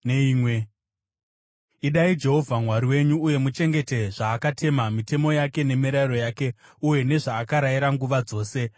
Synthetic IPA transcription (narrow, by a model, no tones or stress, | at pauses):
neiːmwe | iɗaid͡ʒe̞ɦo̞vʱamwaɾiwe̞ɲuːje̞mut͡ʃe̞ŋɡe̞te̞ʐaːkatʰe̞mamite̞mo̞jake̞ne̞miɾaiɾo̞jaːke̞uje̞ne̞ʐaːkaɾaiɾaŋɡuʋad͡zo̞ːse̞